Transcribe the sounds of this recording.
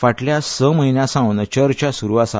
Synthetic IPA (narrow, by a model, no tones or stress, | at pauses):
faʈljasəməɦinjasãʋnət͡ɕəɾt͡ɕasuɾʋasa